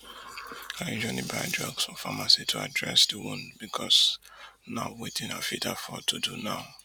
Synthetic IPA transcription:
aĩd͡ʒɔ̃nĩbɹadɹɔɡsɔ̃famasitʰua̰dɹɛsdiwɔ̃nbikʰɔs | nawetʰĩna̰fitafɔtʰudunãʊ

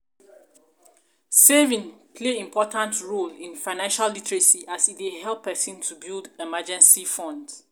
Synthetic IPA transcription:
sevĩnpʰleĩmpʰɔtãntɹolĩnfãɪnãnʃalːitɹesiʔasideɦɛlˠpʰːɛsĩntʰubildemad͡ʒɛ̃nsifɔ̃nd

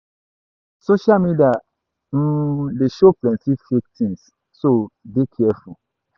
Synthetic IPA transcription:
soʃalmidia | n̩deʃoplɛ̃nsifik̚tʰĩns | sodekʰɛfu

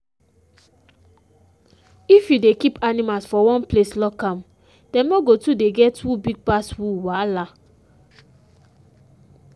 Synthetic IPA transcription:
ifjudekipʰanimalsfɔwɔ̃npleslɔkãm | d̥ɛ̃moɡotudeɡɛtʰubiɡ̚paswuwala

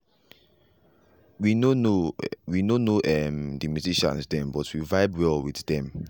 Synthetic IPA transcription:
winonowinonoʔɛmdəmjuziʃã̰nsdɛ̃mbɔtwivaɪbwɛlwiθdɛ̃m

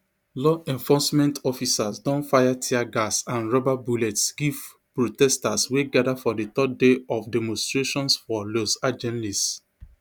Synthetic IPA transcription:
lɔʔɛ̃ɱfɔsmɛ̃ntɔfisasdɔ̃nfajatʰiaɡasãnɹɔbabulɛtsɡiv | pɹotɛstasweɡadafɔdet̪ɔdeɔfdɛmɔ̃nstɹeʃɔ̃nsfɔlosad͡ʒɛ̃nlis

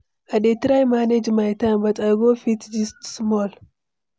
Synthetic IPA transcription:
ʔaɗet̪ɾajmaned͡ʒmajt̪ʰanbɐt͡sʼaɡofit̪d͡ʒist̪smol

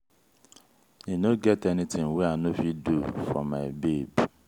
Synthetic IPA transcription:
nĩnoɡɛtɛnɪ̃tʰɪ̃ŋweanõfidufɹɔ̰mːaɪbebi

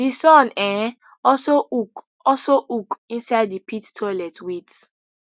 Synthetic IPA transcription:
disɔ̃nɛ̃ | ɔsouk | ɔsoʔukĩnsaɪddipʰitːʰɔlɛtwit

